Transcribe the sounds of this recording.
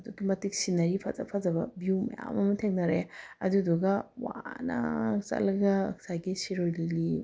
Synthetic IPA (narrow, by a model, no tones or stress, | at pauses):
ɐduɡimɐtiksinɐɾipʰazɐ̰pʰazɐbɐbiwmɐ̰ja̰mɐmɐtʰeŋnɐɾeɐ̰dudɔɡɐwa̰nɐ̰sɐ̰lɐɡɐːksaɡisiɾojlili